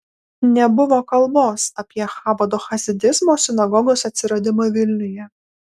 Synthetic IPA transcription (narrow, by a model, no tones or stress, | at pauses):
nʲɛbʊʋoːkɐlˠboːsɐpʲiɛxɑːbɐd̪oːxɐzʲɪd̪ʲɪzmoːsʲɪnɐɡɔɡoːsɐt̪ʲsʲɪɾɐd̪ʲɪmɐʋʲɪlʲnʲʊjɛ